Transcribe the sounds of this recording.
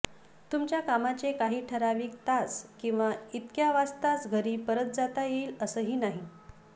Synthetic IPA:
t̪umt͡ɕjakamat͡ɕekaɦiːʈʰəɾaʋiːk̚t̪at͡skĩw̃ʋait̪kjaʋast̪asɡʱəɾiːpəɾət̪̚d͡zat̪ajeiləsəːɦiːnaɦi

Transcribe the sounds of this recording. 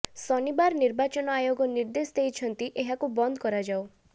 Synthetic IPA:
sɔnibaɾniɾbat͡ʃɔnɔajoɡɔniɾd̪esɔd̪ejt͡ʃʰɔnt̪iʔeɦakubɔnd̪ɔkɔɾad͡ʒaw

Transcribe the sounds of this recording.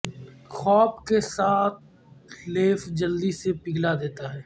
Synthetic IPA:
xɔːpkesaːt̪̚ | leːfd͡ʒəld̪isepɪɡlad̪eːt̪aɦɛː

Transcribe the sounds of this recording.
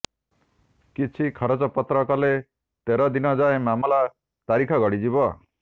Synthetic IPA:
kit͡ʃʰikʰɔɾɔd͡ʒɔpɔt̪ɾɔkale | t̪eɾɔd̪inɔd͡ʒaemamɔla | t̪aɾikʰɔɡɔɽid͡ʒibɔ

